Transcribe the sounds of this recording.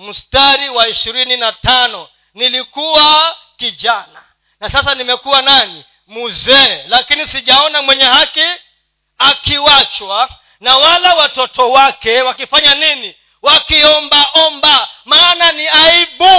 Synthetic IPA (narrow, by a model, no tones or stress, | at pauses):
m̩staɾiwaiʃiɾininatanɔ | nilikuwa | kiʄana | nasasanimɛkuwanani | muzɛlakinisiʄaɔnamwɛɲɛhaki | akiwat͡ʃwa | nawalawatɔtɔwakɛwakifaɲanini | wakiɔmbaʔɔmbamaːnaniaiɓu